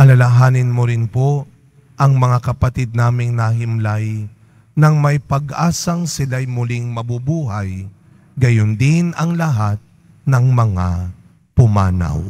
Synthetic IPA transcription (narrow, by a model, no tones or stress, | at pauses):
ʔɐlɐlaɦaːnɪnmoɾɪnpo | ʔɐŋmɐŋakɐpɐt̪ɪd̪̚naːmɪŋnɐɦɪmlaj | nɐŋmɐjpɐɡʔaːsɐŋsɪlajmʊlɪŋmɐbubuːɦaj | ɡɐjʊnd̪ɪnɐŋlɐɦat̪̚ | nɐŋmɐŋa̰ | pʊma̰ːna̰w